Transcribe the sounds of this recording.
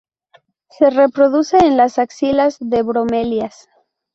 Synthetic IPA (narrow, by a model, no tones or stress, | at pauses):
se̞re̞pɾo̞ðuseːnlasaksilazðeβɾomeljas